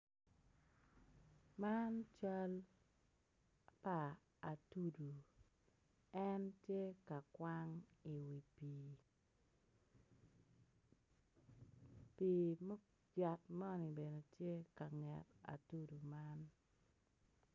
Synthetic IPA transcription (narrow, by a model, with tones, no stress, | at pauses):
ma˦nt͡ʃa˦l | paː˨ | tu˦du˨ | ɛ˦ntje˦ka˨kwa˦ŋi˨wi˨pi˨ | pi˨mɔ˦ | d͡ʒa˨t̚mɔ˦ni˨be˨ne˨tje˦ka˨ŋɛ˨ta̰˨tu˦du˨ma˦n